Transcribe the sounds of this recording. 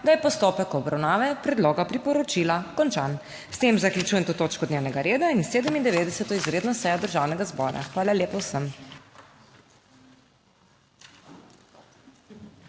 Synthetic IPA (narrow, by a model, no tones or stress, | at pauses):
d̪ajɛpɔst̪oːpɛkɔbɾawnaːʋɛpɾɛd̪loːɡapɾipɔɾɔt͡ʃilakɔnt͡ʃan | st̪emzaklʲjut͡ʃuːjɛmt̪oːt̪oːt͡ʃkɔd̪newnɛɡaɾeːd̪ainseːd̪əmind̪ɛʋeːd̪ɛsɛt̪ɔizɾeːd̪nɔsɛːjɔd̪əɾʒawnɛɡazbɔːɾa̰xʋaːlalʲjeːpɔwsəm